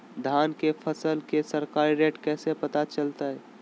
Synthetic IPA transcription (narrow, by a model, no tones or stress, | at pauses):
d̪ʱaːnkepʰəsəlkesəɾkaːɾiɾeːʈkɛːsepət̪at͡ʃəlt̪aɦɛː